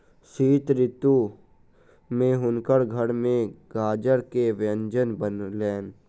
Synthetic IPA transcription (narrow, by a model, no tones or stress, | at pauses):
siːt̪ɾɪt̪ːu | mẽɦʊnkəɽɡʱəɽmẽɡaːd͡ʒəɽkeʋjə̃nd͡ʒənbənleːn